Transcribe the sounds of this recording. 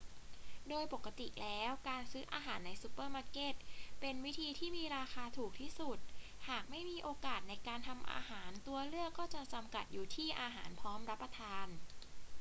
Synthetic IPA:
doː˧jpo˨˩kːa˧t̪i˨˩lɛː˦˥wkaː˧nsɯː˦˥ʔa̰ː˧ɦaː˩˦nːa˧jsu˧˥pɤː˥˩maː˧˥ke˦˥˩t̪̚pe˧nwi˦˥t̪ʰiː˧t̪ʰiː˥˩miː˧ɾaː˧xaː˧t̪ʰuː˨˩k̚t̪ʰiː˥˩su˨˩t̪̚ | haː˨˩k̚ma˥˩jmiː˧ʔoː˧kaː˨˩t̪̚na˧jkaː˧nt̪ʰa˧mʔa̰ː˧ɦaː˩˦nt̪u˧ɐlɯ˥˩əkːɔː˥˩t͡ɕa˨˩t͡ɕa˧mka˨˩t̪̚juː˨˩t̪ʰiː˥˩ʔaː˧ɦaː˩˦npʰɔː˦˥mɾa˦˥pːɾa˧t̪ʰaː˧n

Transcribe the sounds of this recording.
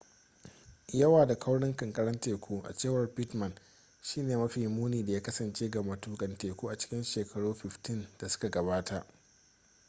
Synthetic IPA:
jɐ˦waː˨da˨kʰɐ˦wɽɪ˦ŋkɐ˨ŋkʼɐ˦ɽɐ˦nteː˨kʷu˦ʔa̰˨t͡ʃeː˦˨wɐ˨rpɪ˦tmɐ˨n | ʃiː˦neː˨mɐ˦ɸiː˨muː˦niː˨da˨jaː˦kɐ˦sɐ˨nt͡ʃeː˦ɡa˨mɐ˨tuː˦kʼɐ˨nteː˨kʷuː˦ʔa˨t͡ʃɪ̥˦kʲɪ˦nʃeː˨kʰɐ˨ɽuː˦ɸɪ˨ɸtɪ˦nda˨sʊ̥˦ka˨ɡɐ˨baː˦tʰa˨ʔ

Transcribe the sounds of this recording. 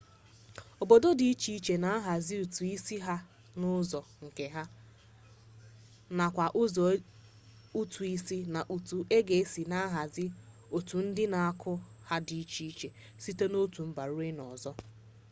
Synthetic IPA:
o˨bo˨do˦di˨i˦t͡ʃi˦i˦t͡ʃe˨na˨a˦ɦa˨zɪ˦u˨tu˨i˦si˦ɦa˦ | nʊ˦zɔ˨ŋ̩˨ke˨ɦa˦ | na˨kʷa˨ʔʊ˦zɔ˨˦ | u˦tʰu˨i˦si˦na˨ʔu˨tu˨ʔe˦ɡe˨e˦si˨na˦ɦa˨zɪ˦ | o˨tu˨n̩˦dɪ˦na˨a˦kʰʊ˦ha˦di˨i˦t͡ʃi˦i˦t͡ʃe˨ | si˦te˦no˦tu˨m̩˦ba˨ɾu˦ɾe˦nɔ̰˨zɔ˦

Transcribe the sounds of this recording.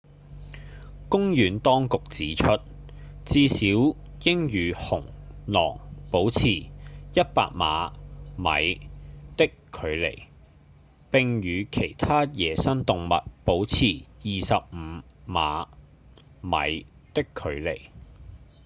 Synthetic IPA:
kʊ˥ŋjyː˨˥nt̪ɔː˥ŋkʊ˨k̚t͡siː˨˥t͡ʃʰɵ˥t̚ | t͡siː˧siː˨˥w | jɪ˥ŋjyː˨˧hʊ˨˩ŋ | lɔ̰ː˨˩ŋpo˨˥wt͡sʰiː˨˩jɐ˥t̚pa̰ː˧k̚ma̰ː˨˧mɐ̰˨˧jt̪ɪ˥kʰɵ˨˧ɥlḛ˨˩j | pɪ˧ŋjyː˨˧kʰe˨˩jt̪ʰaː˥jɛː˨˧sɐ˥nt̪ʊ˨ŋmɐ̰˨t̚po˨˥wt͡sʰiː˨˩jiː˨sɐ˨p̚m̩˨˧˥ | ma̰ː˨˧ | mɐ̰˨˧jt̪ɪ˥kʰːɵ˨˧ɥlḛ˨˩j

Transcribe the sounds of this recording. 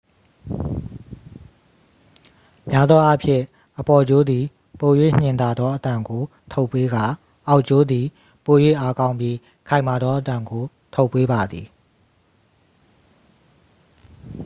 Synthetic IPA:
mja˦d̪ðɔ˦ʔa˦pʰjɪ̰̃˦˨ | ʔəpɔ˨d͡ʑo˦d̪i˨ | po˨jwḛ˦˨ɲ̥ɪ̃˨nt̪a˨d̪ðɔ˦ʔət̪ã˨ŋɡo˨ | t̪ʰo˦ʊpːe˦ɡa˨ | ʔa˦ʊʔt͡ɕo˦d̪i˨ | po˨jwḛ˦˨ʔa˦kã˦ʊ̃mpji˦ | kʰã˨ɪ̃ma˨d̪ðɔ˦ʔət̪ã˨ŋɡo˨ | t̪ʰo˦ʊpːe˦ba˨d̪ði˨

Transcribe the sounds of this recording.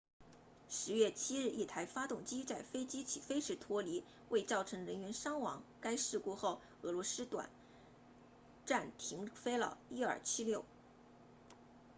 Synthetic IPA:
ʂɻ̩˧˥ɥɛ˥˩t͡ɕʰi˥ɻ̩˥˧i˥˩t̪ʰa˧˥ɪfa˥t̪ʊ˥˩ŋt͡ɕi˥t͡sa˥˩ɪfe˥ɪt͡ɕi˥t͡ɕʰi˨˩fe˥ɪʂɻ̩˧˥t̪ʰwɔ˥li˧˥ | wʔe˥˧ɪt͡sɑ˥˩ʊʈ͡ʂʰɤ˧˥ŋɻə˧˥nɥɛ˧˥nʂɑ˥ŋwɑ˧˥ŋka˥ɪʂɻ̩˥˧ku˥˧xo˥˩ʊ | ɤ˧˥lwɔ˧˥sɹ̩˥t̪wa̰˨˩˦n | ʈ͡ʂa˥˩nt̪ʰi˧˥ŋfe˥ɪlɑ̰˨˩i˥ə̰˞˨˩t͡ɕʰi˥ljo˥˩ʊ

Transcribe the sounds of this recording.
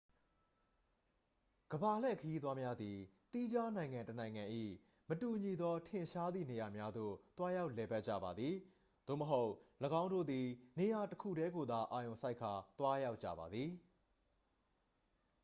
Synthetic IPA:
ɡ̥əba˨lɛ̰˦˨kʰəji˦t̪wa˦mja˦d̪ði˨t̪i˦d͡ʑa˦nã˨ɪ̃ŋã˨tənã˨ɪ̃ŋã˨ʔḭ˦˨ | mətu˨ɲi˨d̪ɔ˦tʰɪ̃˨ʃa˦d̪ðḭ˦˨ne˨ja˨mja˦d̪o̰˦˨t̪wa˦ja˦ʊʔlɛ˨ba˦t̚t͡ɕä̰˦˨ba˨d̪ði˨ | d̪̥o̰˦˨məɦo˦ʊʔləɡã˦ʊ̃ndo̰˦˨d̪i˨ne˨ja˨təkʰṵ˦˨ɾɛ˦ɡo˨d̪a˨ʔa˨jõ˨ʊ̃sa˦ɪkʰːa˨t̪wa˦ja˦ʊtt͡ɕä̰˦˨ba˨d̪ði˨

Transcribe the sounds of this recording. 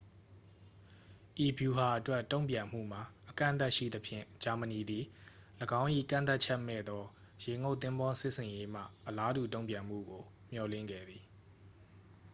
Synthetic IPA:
ʔi˨bju˨ha˨ʔətwɛ˦tõ˦˨ʊ̃pjã˨m̥ṵ˦˨m̥a˨ʔəkã̰˦˨nt̪a˦ʔʃḭ˦˨d̪əpʰjɪ̰̃˦˨d͡ʑa˨mə˨ni˨d̪i˨ləɡã˦ʊ̃ʔḭ˦˨kã̰˦˨nt̪a˦ʔt͡ɕʰɛ˦ʔmɛ̰˦˨d̪ɔ˦ | je˨ŋo˦t̪ːɪ̃˦mbɔ̃˦sɪ˦ʔsʰɪ̃˨je˦m̥ä̰˦˨ʔəla˦du˨tõ˦ʊ̃pjã˨m̥ṵ˦˨ɡo˨ | m̥jɔ˨lɪ̰̃˦˨ŋɡɛ̰˦˨d̪ði˨

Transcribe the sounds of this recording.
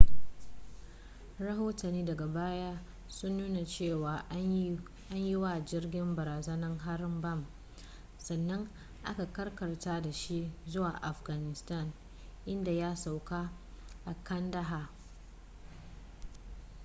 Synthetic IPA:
ɾɐ˦ɦoː˦tɐ˨nːiː˦dɐ˨ɡa˨baː˦jaː˦ | sʊ˦nːuː˦na˨t͡ʃeː˦˨waː˨ | ʔa˦ɲji˦wa˨d͡ʒɪ˦rɡʲɪ˦mbɐ˨ɾaː˨zɐ˦nɐ˦ŋɦa˦ɾmbɐ˦˨m | sɐ˨nːɐ˦ŋ | ʔa̰˦ka˨kɐ˦rkɐ˨rtaː˦da˨ʃi˦ʔzʊ˦waː˨ʔa˨fɡa˨nɪ˨sta˦˨n | ʔɪ˦nda˨jaː˦sa˨wkaː˦ | ʔa˨kʰɐ˦ndɐ˦ɦaː˨

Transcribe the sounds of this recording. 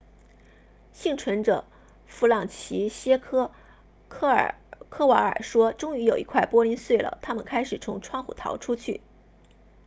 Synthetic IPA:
ɕi˥˩ŋʈ͡ʂʰwə˧˥nʈ͡ʂɤ˨˩ | fu˧˥˩lɑ˥˩ŋt͡ɕʰi˧˥ɕjɛ˥kʰɤ˥˨ | kʰɤ˥wa˧˥ə̰˞˨˩ʂwɔ˥ʈ͡ʂʊ˥ŋy˧˥jo˨˩ʊḭ˧˥kʰwa˥˩ɪpwɔ˥li˧˥nswe˥˩ɪlə̰˩t̪ʰa˥mə˨nkʰa˥ɪʂɻ̩˨˩t͡sʰʊ˧˥ŋʈ͡ʂʰwɑ˥˧ŋxṵ˨˩t̪ʰɑ̰˧˥ʊʈ͡ʂʰu˥t͡ɕʰy˥˩

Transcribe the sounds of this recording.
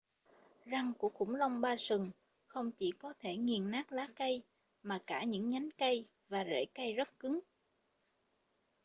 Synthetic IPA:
za˧ŋku˧˩əxʊ̰˧˩ŋ͡mlə˧wŋ͡mɓaː˧sɨ˨˩ŋ | xə˧wŋ͡mt͡ɕi˧˩kɔ˨˦t̪ʰe˧˩ŋi˨˩ənnaː˦˥k̚laː˨˦kə˧j | maː˨˩kaː˧˩ɲɨ̰˧˥ŋɲa˨˦jŋkə˧j | vaː˨˩zḛ˧˩kə˧jzə˦˥t̚kɨ˨˦ŋ

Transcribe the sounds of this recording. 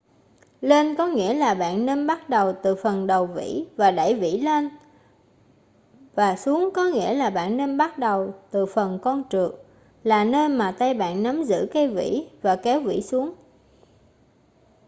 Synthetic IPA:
le˧nkɔ˨˦ŋḭ˧˥əlaː˨˩ɓa̰ː˧˨nːe˧nɓa˦˥t̚ɗə˨˩wt̪ɨ˨˩fə˨˩nɗə˨˩wvḭ˧˥vaː˨˩ɗa̰˧˩˨jvḭ˧˥le˧n | vaː˨˩su˨˦əŋkɔ˨˦ŋḭ˧˥əlaː˨˩ɓa̰ː˧˨nːe˧nɓa˦˥t̚ɗə˨˩wt̪ɨ˨˩fə˨˩nkɔ˧nt͡ɕɨ˨˩ək̚ | laː˨˩nəː˧jmaː˨˩t̪a˧jɓa̰ː˧˨nna˨˦mzɨ̰˧˥ka˧jvḭ˧˥vaː˨˩kɛ˨˦wvḭ˧˥su˨˦əŋ

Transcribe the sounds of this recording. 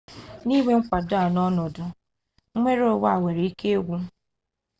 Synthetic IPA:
ni˦ŋʷe˦ŋ̩˦kʷa˨dʊ˦a˨nɔ˦nɔ˨dʊ˨˦ | mʷe˦ɾo˦˨wa˦˨we˨ɾe˨i˦ke˦e˦ɡʷu˦

